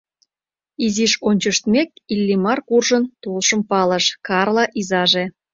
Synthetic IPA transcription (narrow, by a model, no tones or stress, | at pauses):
iziʃonʲt͡ɕəʃt̪mʲek̚ilʲːimɑrkurʒənt̪olʃəmpɑləʃkɑrlɑʔizɑʒe